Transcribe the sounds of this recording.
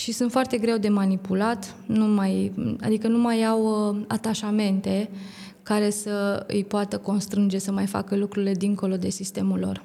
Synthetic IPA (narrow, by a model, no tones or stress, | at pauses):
ʃisunt̪foart̪e̞ɡɾe̞wd̪e̞manipulat̪ | numaja̰d̪ikənumajawa̰t̪aʃame̞nt̪e̞ | kaɾe̞səɨ̰jpoat̪əko̞nst̪ɾɨnd͡ʒe̞səmajfa̰kəlukɾuile̞d̪iŋko̞lo̞d̪e̞sist̪e̞mulːo̞̰r